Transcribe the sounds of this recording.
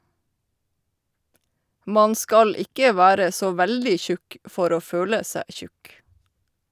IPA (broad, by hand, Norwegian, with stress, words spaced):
ˈmɑn ˈskɑl ˈɪkə ˈʋæːɾə ˈsoː ˈʋældɪ ˈçʉk ˈfɔɾ ˈoː ˈføːlə ˈsæː ˈçʉk